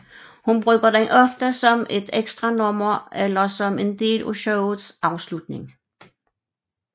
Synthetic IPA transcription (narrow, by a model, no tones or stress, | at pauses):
hunb̥ʁœɡ̥ɐd̥eɪʔɒ̽fd̥əsɒ̽mʔe̝d̥eɡ̥sd̥ʁɑ̈nɔmɐelɐsɒ̽me̝nd̥e̝̰ːloɕoʊð̩ˠsʔɑ̈ʊslud̥ne̝ŋ